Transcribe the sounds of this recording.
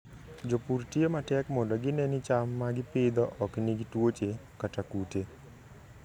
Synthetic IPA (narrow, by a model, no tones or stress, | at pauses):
d͡ʒopurtjematɛkmɔndɔɡɪnɛnɪt͡ʃamːaɡɪpɪd̪ɔʔɔkniɡitwot͡ʃekatakute